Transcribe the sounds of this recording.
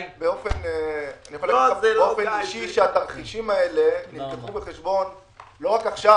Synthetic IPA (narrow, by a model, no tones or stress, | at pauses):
beo̞fe̞neanixoleofeniʃiʃeat̪aʁχiʃimae̞le̞nimkeχubeχe̞ʃbo̞n | lo̞ʁakaχʃa